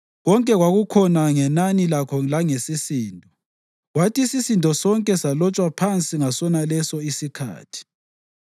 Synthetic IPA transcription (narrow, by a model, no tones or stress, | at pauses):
ɣɔŋkʼɛɣwaɣukʰɔnaŋɛnanilakʰɔlaŋesisiːntɔ | ɣwatʰisisintʼɔsɔŋkʼɛsalɔt͡ʃʼwapʰant͡sʼiŋasɔnalɛsɔisikʰa̰ːtʰi̥